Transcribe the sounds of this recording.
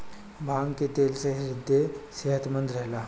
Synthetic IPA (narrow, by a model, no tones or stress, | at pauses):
bʱaŋkit̪elseɦɾid̪ʱːeseɦət̪mənd̪ɾəɦla